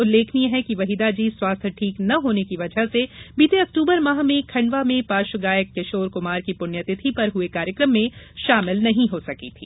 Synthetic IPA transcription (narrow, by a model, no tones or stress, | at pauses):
ʊlːeːkʰniɦɛkiʋɐɦid̪ad͡ʒiːswaːst̪ʰʈʰiːknɐɦoːnekiʋɐd͡ʒʱəɦsebiːt̪eɐk̚ʈuːbəɾmɐɦmẽkʰɐ̃ɳɖʋamẽpaːʃʊɡaːjəkːɐʃoːɾkʊmaːɾkipʊnjət̪ɪt̪ʰipɐɾɦʊekaːɾjəkɾəmːẽʃaːmɪlnɐɦĩɦosɐkit̪ʰḭː